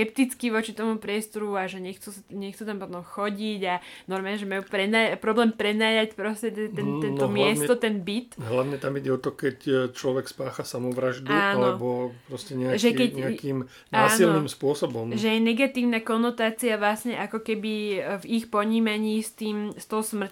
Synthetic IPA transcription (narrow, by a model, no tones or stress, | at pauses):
kɛp̚t̪it͡skiʋɔt͡ʃit̪ɔmupɾɪɛst̪ɔɾuaʒɛɲɛxt͡susɲɛxt͡sut̪ampɔt̪ɔmxɔɟiɟanɔɾmaːlɲɛʒɛmajuːpɾɛnapɾɔblɛːmpɾɛnaːjacpɾɔscɛt̪ɛt̪ɛnt̪ɛnɔmɪɛsɛt̪ɔt̪ɛnbit̪ɦlaʊɲɛt̪amiɟɛɔt̪ɔkɛct͡ʃlɔʋɛkspaːxasamɔʋɾaʒd̪uaːnalɛbɔpɾɔscɛɲɛaʒɛkɛcɲɛakiːm | naːsilniːmspʊɔsɔbɔmʒɛjɛnɛɡat̪iːʊnakɔnɔt̪aːt͡siaʋlasɲɛʔakɔkɛbivixpɔɲiːmaɲiːst̪iːmst̪ɔɦɔsmr̩c